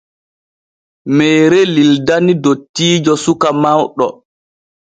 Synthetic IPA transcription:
mɛːɾɛlildanidotːiːd͡ʒɔsukamawɗɔ

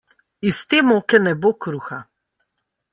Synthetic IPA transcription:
ist̪eːmoːkɛnɛbokɾuxa

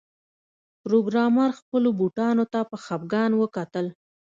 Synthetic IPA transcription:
pɾoɡɾɑmɑɾxpəlobuʈɑnot̪apəxab̚ɡɑnwəkat̪əl

